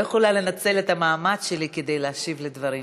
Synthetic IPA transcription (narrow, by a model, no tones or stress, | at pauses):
jeχolale̞nat͡se̞let̪hamaːmadʃe̞like̞d̪e̞jleaʃivled̪vɐʁi